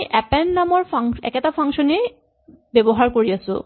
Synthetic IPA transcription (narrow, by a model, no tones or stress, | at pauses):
ʔɛpenːamoɾfaŋɛ̰kɛt̪afʰaŋʃone | bɛboɦaɾkoɾiat͡ɕʰo̰